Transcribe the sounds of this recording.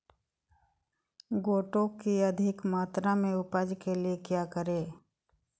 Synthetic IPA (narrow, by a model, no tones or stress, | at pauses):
ɡoːʈõkiɐd̪ʱɪkmaːt̪ɾamẽʊpad͡ʒkeliekjaːkəɾeː